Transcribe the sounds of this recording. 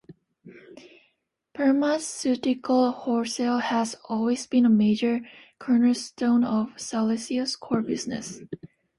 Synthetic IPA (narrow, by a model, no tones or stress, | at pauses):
pʰɜ˞məsʉɾɪkʰəl̩ˠhɔɹsɛlˠhæzɔlˠwizbɨ̃nəmeɪd͡ʒə˞kʰɜ˞nəlstõʊ̃nʌv̥salɪsiɨskʰɔɹbɪznɨ̰s